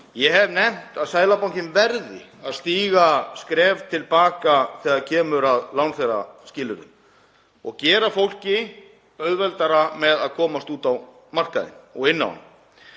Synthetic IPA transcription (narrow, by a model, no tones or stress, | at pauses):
jɛɦɛvnɛm̥t̪aðsaːjlapawŋcɪmvɛɾðɪ̰aðst̪iːɣaskɾɛːvt̪ʰɪlpaːkaθɛːɣaðcʰɛːmʏɾaðlawnθejra̰scɪːlʏɾʏ̰m | ɔɣcɛːɾafowl̥cɪ | œɣðvɛlt̪aɾamɛðaðkʰɔːmast̪uːt̪aw | mar̥kaðɪ̰nɔɣɪnːa̰w̰nʏ̰m